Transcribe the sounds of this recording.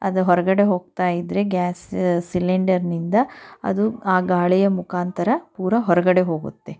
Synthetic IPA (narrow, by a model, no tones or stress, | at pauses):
ɐ̰d̪ɐɦɔɾɐɡɐɽe̞ɦo̞ːɡ̚t̪aːjid̪ɾe̞ɡaːssileɳɖɐɾnind̪ɐɐ̰d̪uaːɡaːɭijɐmukʰaːnt̪ɐɾɐpuːɾʋɐɦɔɾɐɡɐɽe̞ɦo̞ːɡṵt̪ːe̞